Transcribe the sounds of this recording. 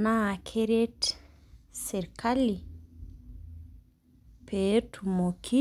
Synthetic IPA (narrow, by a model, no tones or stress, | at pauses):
nakʰeɾet | seɾkʰali | petumokʰi